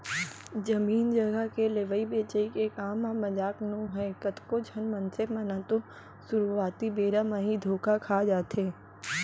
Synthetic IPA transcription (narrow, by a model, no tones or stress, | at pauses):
d͡ʒɐmiːnd͡ʒəɡəkeleʋəibeːt͡ʃəikekaːmãmːɐd͡ʒaːknõɦɛ̃ːkət̪kod͡ʒʱɐnmɐnsemɐnãt̪o | sʊɾuaːt̪ibeːɾamãɦid̪ʱoːkakʰaːd͡ʒaːt̪eː